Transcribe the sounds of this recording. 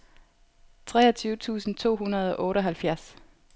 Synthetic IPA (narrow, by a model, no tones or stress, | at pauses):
t͡sʰʁɛ̰ːɒt͡sʰyːʊt͡sʰṵːsn̩t͡sʰo̝̰ːɦunɐð̞̩ˠɒ̽ʔɔ̽ːɾəɒ̽ɦælfjæɐs